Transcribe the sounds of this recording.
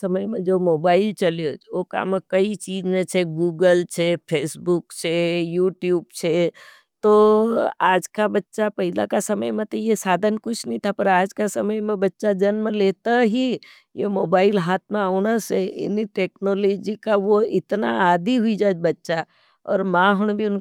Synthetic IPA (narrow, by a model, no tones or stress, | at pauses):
sɐməjmẽd͡ʒoːmoːbaːɪlt͡ʃɐleooka̰ːmẽkɐit͡ʃiːzmẽt͡ʃʰeɡuːɡəlt͡ʃʰepʰeːsbʊkt͡ʃʰejuːʈjuːbt͡ʃʰe | t̪oaːd͡ʒkabɐtːʃapɐɦɪla̰kasɐməjmẽt̪ojesaːd̪ʱənkʊt͡ʃʰnəɦĩt̪ʰapɐɾaːd͡ʒkasɐməjmẽbɐtːʃad͡ʒɐnməleːt̪aɦi | jḛmoːbaːɪlɦaːt̪̚ʰmẽaʊñaseɪ̰niʈeːknoːlɔːd͡ʒikaʋoɪt̪na̰aːd̪ʱiɦʊid͡ʒaːd͡ʒbɐtːʃa | ɔ̰ːɾmãːɦʊɽ̃bʱiʊn